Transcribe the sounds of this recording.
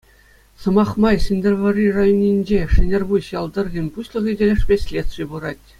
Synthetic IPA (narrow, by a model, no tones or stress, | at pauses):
sɤ̆mɑχmɑjsɘ̆nʲd̪ʲɘ̆rʋŏrʲirɑjonʲːinʲd͡ʑeʂɘ̆nʲerbuɕjɑlˠd̪ɤ̆rɡʲɘ̆nʲpuɕlˠɤ̆ʁidʲelʲĕʂpʲesʲlʲesijbuɾɑtʲ